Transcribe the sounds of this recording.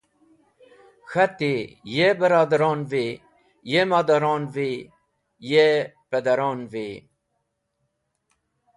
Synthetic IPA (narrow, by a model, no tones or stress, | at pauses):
xɐt̪ejebəɾɑːd̪ɐɾɑːnve | jemaːd̪ɐɾɑːnve | jeped̪ɐɾɑːnve